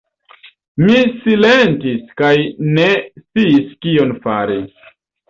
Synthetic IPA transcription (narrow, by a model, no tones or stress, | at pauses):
misilentiskajnest͡siːskio̞nfa̰ɾis